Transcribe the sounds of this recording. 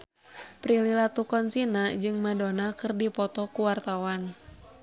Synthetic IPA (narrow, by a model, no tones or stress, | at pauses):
pɾililat̪ukɔnsinad͡ʒɨŋmadonakɨrdipɔt̪ɔkuwart̪awan